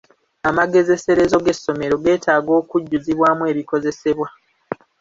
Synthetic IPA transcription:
amaɡe̞ze̞se̞ɾe̞zo̞ɡe̞sːo̞me̞ɾo̞ɡe̞ːtʰaːɡo̞ːkuɟːuziβwaːmue̞ːβiko̞ze̞se̞βwa

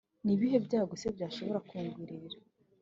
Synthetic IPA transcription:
niβiɦe̞bɟaːɡosebjaːʃo̞βo̞ɾakuːŋɡwiːɾiɾa

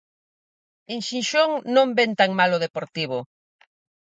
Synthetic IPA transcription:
eŋʃinʃoŋnõmbent̪aŋmalʊðepoɾt̪iβ̞ʊ

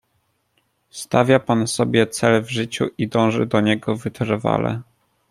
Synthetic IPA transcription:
st̪avʲjapansɔbʲjɛt̪sɛlvʐɘt͡ɕuʔid̪ɔ̃w̃ʐɘ̰d̪ɔɲɛɡɔvɘt̪ɾva̰lɛ̰

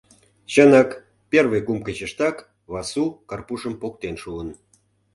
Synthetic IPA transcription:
t͡ɕənɑk | pʲerβəjkumkət͡ɕəʃt̪ɑk | βɑsukɑrpuʃəmpok̚t̪enʃuən

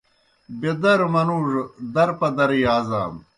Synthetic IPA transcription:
bed̪ɐɾmɐnuːʐd̪ɐɾpɐd̪ɐɾijaːza̰ːm

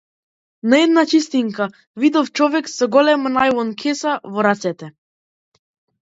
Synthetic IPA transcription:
naɛd̪nat͡ʃist̪iŋka | vid̪ɔft͡ʃɔvɛksɔɡɔlɛmanajlɔnkʰɛsavɔɾat̪sɛt̪ɛ

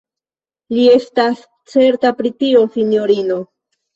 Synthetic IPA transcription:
lie̞st̪as | t͡se̞ɾt̪apɾit̪io̞sinjoɾino̞

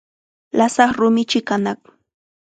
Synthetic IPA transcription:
lasaχɾʊmɪt͡ʃɪkanak

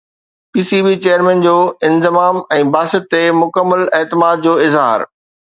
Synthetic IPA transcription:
piːsiːbiːt͡ɕejəɾmɛ̃ːnd͡ʑoːɪ̃nzɪmaːmɛ̃ːbaːsət̪ːemʊkəmːəleːt̪ɪmaːd̪̚d͡ʑoːɪzɦa̰ːɾ

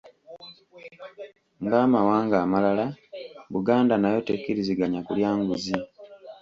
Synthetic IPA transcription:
ŋɡaːmawaːŋɡaːmalalaβuɡaːndanajo̞tekiɾiziɡaɲakuljaːŋɡuzi

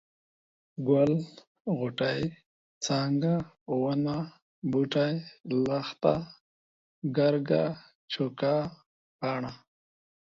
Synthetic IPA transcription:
ɡwal | ɣʊʈaj | t͡saŋɡa | wana | buʈajlaxt̪a̰ | ɡaɾɡa | t͡ʃʰoka | paɳa

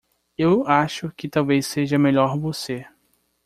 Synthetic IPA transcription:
ewaʃʊkɪt̪awvejsːeʒɐmeʎɔɾvose

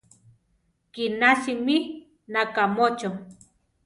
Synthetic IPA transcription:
kinasimi | nakamot͡ʃo

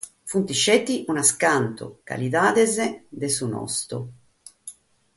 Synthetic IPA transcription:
funt̪iʃɛt̪ːiʔunaskant̪o̰ka̰liðaːðɛzed̪esunɔ̰st̪o̰

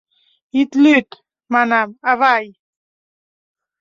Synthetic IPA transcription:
it̪lyt̪ | manamavaj

